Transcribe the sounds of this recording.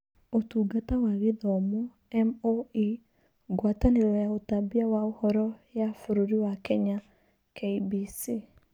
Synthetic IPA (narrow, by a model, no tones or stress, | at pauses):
otuːɡatawaɣeðɔmɔ | ɛmoi | ɡwataneɾɔjaotabiawaohɔɾɔjafoɾoɾiwakɛɲa | kʰeibisi